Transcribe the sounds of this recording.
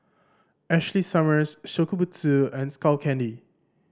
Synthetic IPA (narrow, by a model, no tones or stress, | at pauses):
ɛʃlisʌməsʃokubutʰuɛ̃nskalkʰɛ̃ndi